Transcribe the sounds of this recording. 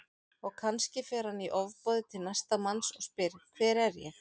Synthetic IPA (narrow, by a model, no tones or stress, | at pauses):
ɔɣkʰanscɪfɛːɾhanːiʔɔvpɔːðɪt̪ʰɪlnajst̪amansɔɣspɪɾkʰvɛːɾɛɾjɛ̰